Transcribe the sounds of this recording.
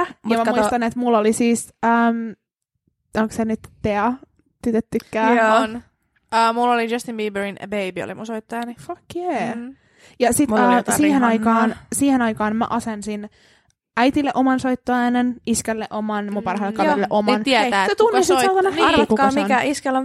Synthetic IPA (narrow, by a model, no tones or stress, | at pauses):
jɑmæmuist̪ɑnet̪mulːolisiːsəːm | oŋksenyt̪t̪eɑ | t̪yt̪et̪ːykːæːoon | əːmulːolid͡ʒɑst̪ĩmbiːbəɹin̰bejbio̰lḭmũnsoit̪ːojɑnifɑkje | jɑsit̪ːsiːhenɑjkɑːnsiːhenɑikɑːnmæ̰ʔɑsensin | æjt̪ilːeʔomɑnsoit̪ːoæːneniskelːeʔomɑnmumpɑrhɑilːekːɑilːeʔomnt̪ɛæːset̪unːisiɑlt̪ɑnɑheɾkuɑsminkæʔiskelon